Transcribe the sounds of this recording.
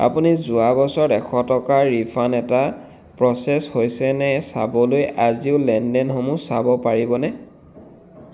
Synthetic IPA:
a̰punizʊabɔsɔɹɛxʰɔtɔkaɹipʰanɛta | pɹɔsɛshojsɛnɛsabɔlojaziʊlɛndɛnxomusabɔpaɹibɔnɛ

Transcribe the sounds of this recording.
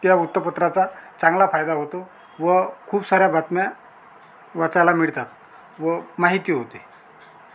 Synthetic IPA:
t̪jaut̪ːəpət̪ɾat͡sat͡sãŋɡlafajd̪aɦot̪o | ʋəkʰuːbsaɾjabʱat̪mja | ʋat͡sajlamiɭt̪at̪̚ | ʋəmaɦit̪iːɦot̪e

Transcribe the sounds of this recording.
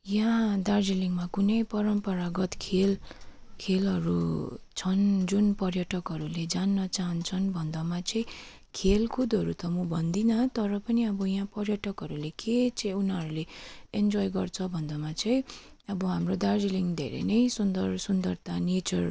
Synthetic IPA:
jãd̪ard͡ziliŋɡmakunʌjpʌɾʌmpʌɾaɡʌt̪kʰel | kʰelʌɾut͡sʰʌnd͡zunpʌrjʌʈʌkɦʌɾuled͡zanːʌt͡saɦʌnt͡sʰʌnbʱʌnd̪ʌmat͡sʌĩ | kʰelkʰud̪ʌɾut̪ʌmubʱʌnd̪inʌt̪ʌɾʌpʌniʌbʌjãpʌrjʌʈʌkɦʌɾuleket͡sʌĩunɦʌɾuleend͡zɔjɡʌrt͡sʰʌbʱʌnd̪ʌmat͡sʌĩ | ʌbʌɦamrod̪ard͡ziliŋɡd̪ʱḛɾḛnʌjsund̪ʌrsund̪ʌrt̪anet͡sʌr

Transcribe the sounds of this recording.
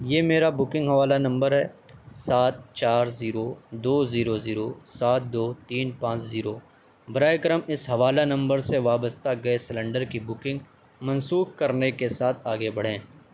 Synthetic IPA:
jeːmeːɾabʊkɪ̃ŋɡɦɐʋaːlanɐ̃mbəɾɦɛː | saːt̪̚t͡ʃaːɾziːɾod̪oːziːɾoziːɾosaːt̪̚ʰd̪oːt̪iːnpãːt͡ʃziːɾoː | bɐɾaːekɐɾəmɪsɦɐʋaːlanɐ̃mbəɾseʋaːbəst̪aɡɐesɪlə̃ɳɖəɾkibʊkɪ̃ŋɡ | mɐ̃nsuːxkɐɾnekesaːt̪ʰaːɡebɐɽ̤ẽː

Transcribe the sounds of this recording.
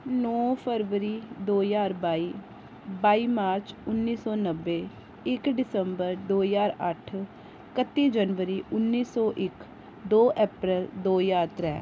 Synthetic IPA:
nɔːpʰəɾʋəɾiːd̪oːjaːɾbaːiː | baːiːmaːɾt͡ʃʊnːiːsɔːnəʋːeː | ɪkɖɪsəmbəɾd̪oːjaːɾəʈʰ | kət̪ːiːd͡ʒənʋəɾiːʊnːiːsɔːʔɪk | d̪oːʔɛːpɾəld̪oːjaːɾt̪ɾɛ̰ː

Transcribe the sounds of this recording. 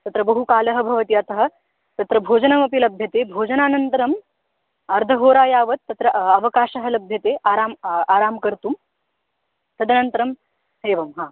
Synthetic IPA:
t̪ɐt̪ɾɐbɐɦukaːlɐɦɐ̆bʱɐʋɐt̪iɐt̪ɐɦɐ̆ | t̪ɐt̪ɾɐbʱoːd͡ʒɐnɐmɐpilɐbʱjɐt̪eːbʱoːd͡ʒɐnaːnɐnt̪ɐɾɐm | ɐɾd̪ʱɐɦoːɾaːjaːʋɐt̪ːɐt̪ɾɐɐʋɐkaːʃɐɦɐlɐbʱjɐt̪eːʔaːɾaːmaːɾaːmkɐɾt̪uːm | t̪ɐd̪ʱɐnɐnt̪ɐɾɐm | ɦeːʋɐmɦaː

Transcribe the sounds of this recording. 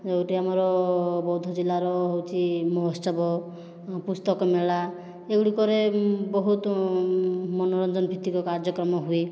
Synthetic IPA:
ewʈiamɔɾɔbɔwd̪ʱɔd͡ʒilːaɾɔɦowt͡ʃʰimɔɦɔstɔbɔ | pust̪ɔkɔmeɭa | eɡuɽikɔɾebɔɦut̪ | mɔnɔɾɔnd͡ʒɔnbʱit̪ːikɔkaɾd͡ʒɔkɾɔmɔɦui

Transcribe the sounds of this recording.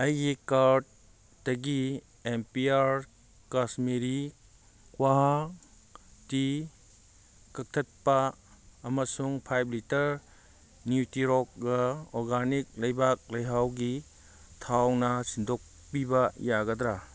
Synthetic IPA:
ɐjɡikaɾd̚ | dɐɡi | empiaɾ | kasmeɾi | kwaɦa | ti | kɐk̚tʰɐt̚pɐː | mɐsuŋpʰajblitɐɾ | njutiɾɔk̚ɡɐɔɾɡanik̚lɐjbak̚lɐjɦawɡi | tʰawnɐsindʱok̚ | pibɐjaɡɐdɾa

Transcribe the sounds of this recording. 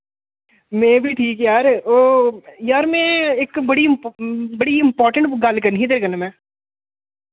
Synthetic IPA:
mɛ̃ːbʱiʈʰiːkjaːɾoːjaːɾmɛ̃ːeːkbɐɽiɪmbɐɽiɪ̃mpɔːɾʈə̃ɳʈɡɐlkəɾnɦid̪əɾkənamɛ̃ː

